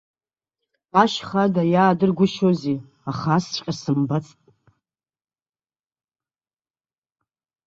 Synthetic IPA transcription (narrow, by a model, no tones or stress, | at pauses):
aʃχadajaːdɨrɡʷʊʃozi | aχast͡ʃʷʼqʲʼasɨmbat͡sʰʼtʼ